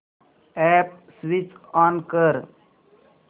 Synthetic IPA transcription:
ɛp̚ | sʋit͡ʃaːnkəɾ

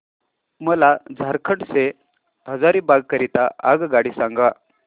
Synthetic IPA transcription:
məlad͡zʱaɾkʰəʈse | ɦəd͡zaɾiːbaɡkəɾit̪aʔaɡɡaɽiːsãŋɡʋa

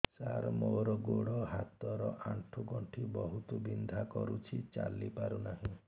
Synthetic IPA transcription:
saɾmoɾɔɡoɽɔɦat̪ɔɾɔʔaɳʈʰuɡɔɳʈʰibɔɦut̪ubind̪ʱakɔɾut͡ʃʰit͡ʃa̰lipaɾunaɦĩ

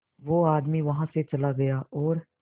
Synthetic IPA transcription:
ʋoaːd̪miʋɐɦãset͡ʃɐlaɡɐjaːɔːɾ

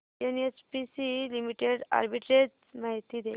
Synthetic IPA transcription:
enet͡ɕpisilimiʈeɽa̰ɾbiʈɾed͡ʑ | maɦit̪iːd̪e

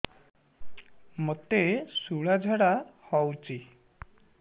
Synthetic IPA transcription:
mot̪esuɭad͡ʒʱaɽahɔwt͡ʃʰi

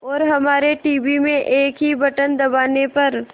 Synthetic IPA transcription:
ɔːɾɦɐmaːɾeʈiːbimẽʔeːkɦibɐʈənd̪ɐbaːnepɐɾ

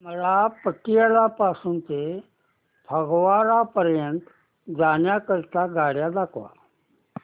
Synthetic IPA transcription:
məlapəʈijəlapasuːnt̪e | bʰʱəɡʋaɾapəɾjənt̪ | d͡zanjakəɾt̪aɡʱaɽjad̪akʰʋa̰

